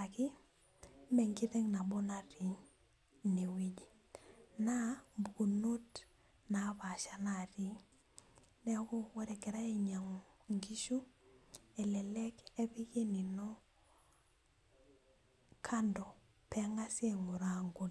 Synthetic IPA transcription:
a˨kɪ˦ | mɛ˨ŋɡi˦ðɛ˦ŋna˨bo˦na˨ɾi˨ | ni˨wi˦d͡ʒi˨ | na˦bu˨ku˨no˦t | na˨˦pa˨ʃa˦na˨ɾi˦ | nɛ˦ko˦wɔ˦ɾɛ˨kɛ˨ɾa˦i˨ɲa˨ŋ˨ŋɡi˦ʃu˦ | ɛ˨lɛ˨lɛ˦ke˦pi˦ke˦ni˨nɔ˦ | kʰa˦ndɔ˨ | pɛ˦ŋa˦se˨ŋo˨ɾa˦ŋɡu˨l

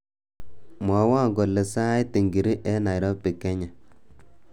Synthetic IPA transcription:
mɔ˨˦wa˦˨ŋɡo˨le˨sa˦i˦te˨ŋɡi˨ɾi˦ʔɛ˦na˨jɾɔ˦pɪ˨kɛ˦ɲa˨

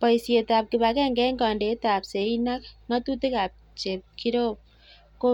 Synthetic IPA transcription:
pɐ˨jsie˨t̪ap̚kɪbakɛ˦ŋɡɛ˦ŋɡa˨nde˨˦t̪a˨pse˨inakŋat̪u˦t̪e˦ka˨p̚ | t͡ʃe˨p̚kiɾo˦ | ko˦

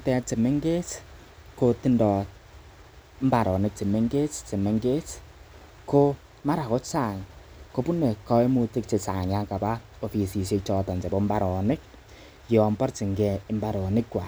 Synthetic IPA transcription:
tɛ˦t͡ʃe˨me˦ŋɡe˦t͡ʃ | ko˧ti˦ndɔ˨t̚ | m̩˦ba˨ɾɔ˨nɪ˨k̚t͡ʃi˨me˦ŋɡe˦t͡ʃt͡ʃe˨me˨ŋɡe˦t͡ʃ | ko˦ | ma˦ɾa˨ko˦t͡ʃa˦˨ŋ | ko˦pu˦ne˨kɔ˧˦e˦mu˧tɪ˦k̚t͡ʃe˨sa˨ŋa˦ka˨ba˦ | o˨fi˨si˨se˧t͡ʃɔ˨˧tɔ˨nd͡ʒe˨bo˦mba˨ɾɔ˨nɪ˦k̚ | jɔ˨mbɔ˦rt͡ʃi˨ŋɡɛ˧˨ɪ˦mba˦ɾɔ˨nɪ˦kwa˨

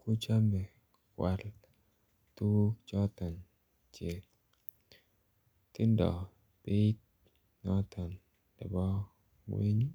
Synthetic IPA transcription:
ku˦t͡ʃa˦mɛ˨ | kwa̰˨l | t̪u˦t͡ʃɔ˦t̪ɔ˨n | t͡ʃe˨ | t̪i˦ndɔ̰˨ | pɪ˦t̚ | nɔ˦t̪ʰɔ˨n | ɛ̰˨bɔ˦ | ŋwḭ˦ɲ˦

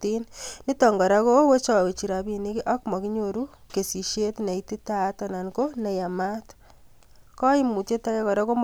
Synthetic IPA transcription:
ti˦nni˦tɔ˨ŋɡɔ˨ɾa˦ko˦we˦t͡ʃɔ˨we˨t͡ʃi˨ɾa˨bi˨ni˦ki˦ʔa˦kmɔ˨ki˦ɲo˦ɾu˦ke˨si˨ʃe˦tne˨iti˦ta˦ta˨na˨nko˦nɛ˨ja˨ma˦t | kɔ˦i˦mu˨te˦ta˦kɛ˦kɔ˨ɾa˦ko˦m

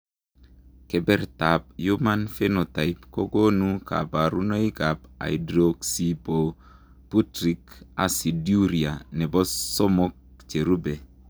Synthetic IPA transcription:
kɛ˨bɛ˦ɾta˨p̚ju˦ma˦nfe˦no˨ta˨ipko˦ɡo˦nuka̰˨ba˨ɾu˦no˦i˦ka˨pa̰˨idɾoksi˦po | pu˦tɾika̰˨si˨dju˦ɾia˨nɛ˨bɔ˦sɔ˦mo˦k̚t͡ʃe˨ɾu˦be˨

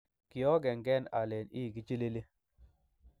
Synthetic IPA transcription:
ki˨ɔ˦ɡɛ˨ŋɡɛ˦na̰˨le˨ni˦˨ɡi˦t͡ʃi˦le˦le˦

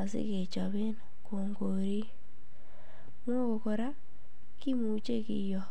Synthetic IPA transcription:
a˨sɪ̰˦kɪ˨t͡ʃɔ˨βɪ˦n | ko˨ŋɡo˨ɾi˦ | mo˦ko˨ko˨ɾa˦ | ki˦mu˨t͡ʃe˦kɪ̰˦jɔ˨

